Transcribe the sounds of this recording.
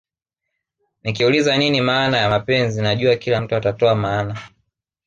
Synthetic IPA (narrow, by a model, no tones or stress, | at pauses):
nikiulizaninimaːnajamapɛnzinaʄuakilam̩tuatatɔamaːna